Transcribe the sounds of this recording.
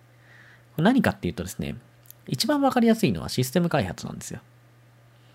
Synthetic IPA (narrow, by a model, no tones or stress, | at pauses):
konaɲ̟ikat̪ːe̞iɯ̟t̪o̞d̪e̞sɨnḛ | it͡ɕibãɰ̃βakaɾʲijasɨino̞̰βa̰ɕisɨ̥t̪e̞mɯ̟kaihat͡sɨnã̰nd̪e̞sɨjo